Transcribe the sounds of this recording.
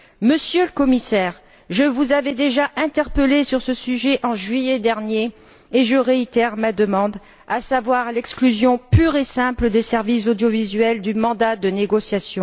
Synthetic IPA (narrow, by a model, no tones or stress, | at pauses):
məsjøləkɔmisɛːʁ | ʒəvuzavɛd̪eʒaʔɛ̃t̪ɛʁpəlesyʁsəsyʒɛʔɑ̃ʒɥijɛd̪ɛʁnjeː | ʒəʁeit̪ɛʁmad̪əmɑ̃d̪ | asavwaʁlɛksklyzjɔ̃pyʁesɛ̃pləd̪esɛʁvis̬od̪jɔvizɥɛld̪ymɑ̃d̪ad̪əneɡɔsjasjɔ̃